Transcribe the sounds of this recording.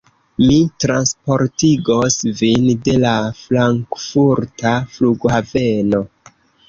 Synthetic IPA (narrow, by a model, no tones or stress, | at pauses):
mitɾanspo̞ɾtiɡosvinde̞laflaŋkfuɾtafluɡhave̞no